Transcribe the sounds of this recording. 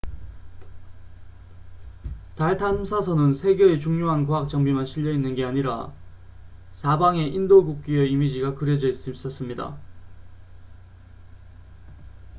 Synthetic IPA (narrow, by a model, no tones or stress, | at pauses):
taɭtʰamsʰasʰʌnɯnsʰe̞ɡjʌe̞t͡ɕuŋɲoɦankoɦak̚t͡ɕ͈ʌŋbimanɕʰiʎːʌinːɯnɡe̞aɲiɾa̰ | sabaŋe̞ʔindoɡuk̚k͈iʌimid͡ʑiɡakɯɾjʌd͡ʑʌis͈s͈ʌs͈ɯmɲida̰